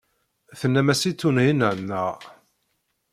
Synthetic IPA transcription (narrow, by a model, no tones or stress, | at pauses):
θənːæmæsit͡s̪ːunhinəʕnːəʁ